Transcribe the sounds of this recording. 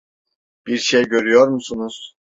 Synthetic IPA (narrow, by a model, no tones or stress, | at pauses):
b̥iɾʃejɟø̞ɾyjoɾmusunuz̥